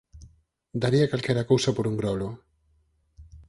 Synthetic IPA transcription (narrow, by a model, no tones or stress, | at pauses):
d̪aɾiakalkɛɾakowsapoɾuŋɡɾɔlo